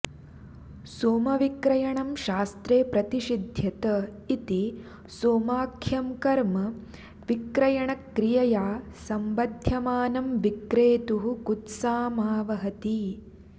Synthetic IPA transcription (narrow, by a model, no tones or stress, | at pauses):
soːmɐʋikɾɐjɐɳɐmʃaːst̪ɾeːpɾɐt̪iʃid̪ʱjɐt̪ɐ | it̪i | soːmaːkʰjɐmkɐɾmɐ | ʋikɾɐjɐɳɐkːɾijɐjaːsɐmbɐd̪ʱjɐmaːnɐmʋikɾeːt̪uɦukut̪saːmaːʋɐɦɐt̪i